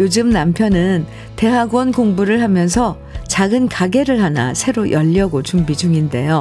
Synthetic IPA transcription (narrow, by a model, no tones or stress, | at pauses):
jod͡ʑɯmnampʰjʌnɯn | te̞ɦaɡwʌnkoŋbuɾɯɭɦamjʌnsʰʌ | t͡ɕaɡɯnkaɡe̞ɾɯɭhana̰sʰe̞ɾojʔʌʎːʌɡot͡ɕuŋbid͡ʑuŋinde̞jo